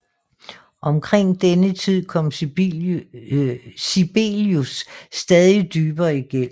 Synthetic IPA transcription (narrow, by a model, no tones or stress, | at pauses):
ʔɒ̽mkʰʁeŋ̰d̥enət͡sʰið̞̰ˠkʰɒ̽m̰ | ib̥e̝ljusd̥ɛðˠid̥yːb̥ɐiɡ̥en̰m̩